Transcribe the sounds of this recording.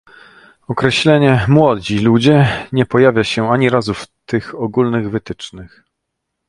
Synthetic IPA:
ɔkɾɛɕlɛɲɛmwɔd͡ʑilud͡ʑɛɲɛpɔjavʲjaɕɛaɲiɾazuft̪ɘxɔɡulnɘɣvɘt̪ɘt͡ʂnɘx

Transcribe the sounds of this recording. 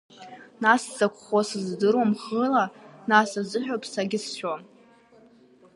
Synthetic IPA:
nasd͡zakʷʰʼχosɨzdɨrwamχəlanasazɨħᶣopʰʼsaɡʲɪsʃᶣom

